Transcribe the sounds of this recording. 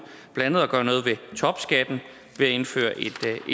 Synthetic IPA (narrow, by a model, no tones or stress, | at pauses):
b̥lænəð̞̩ˠɒɡ̥ɶːɐnɔ̽ːð̞̩ˠʋe̝t͡sʰɒ̽b̥sɡ̥æd̥n̩ | ʋe̝æe̝nfø̰ːɐʔe̝d̥